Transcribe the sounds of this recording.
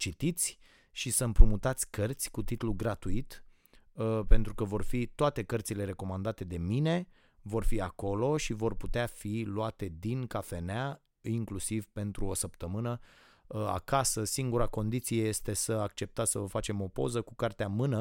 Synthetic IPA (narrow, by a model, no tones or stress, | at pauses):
t͡ʃit̪it̪sʲ | ʃisəmpɾumut̪at̪sʲkərt̪sʲkut̪it̪uluɡɾat̪uit̪ | pe̞nt̪ɾukəvo̞rfit̪oat̪e̞kərt̪sile̞ɾe̞ko̞mand̪at̪e̞d̪e̞mine̞ | vo̞rfiako̞lo̞ʃivo̞rput̪eafiluat̪e̞d̪inkafe̞nea | iŋklusivpe̞nt̪ɾuo̞səpt̪əmɨnə | a̰kasəsiŋɡuɾako̞nd̪it̪sije̞je̞st̪e̞səak̚t͡ʃe̞p̚t̪at̪səvəfat͡ʃe̞mo̞po̞̰zəkukart̪eamɨnə